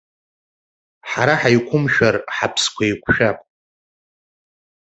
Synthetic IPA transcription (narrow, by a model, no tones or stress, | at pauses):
ħaɾaħajkʷʰʊmʃᶣarħapʰskʷʰajkʷʰʃᶣapʼ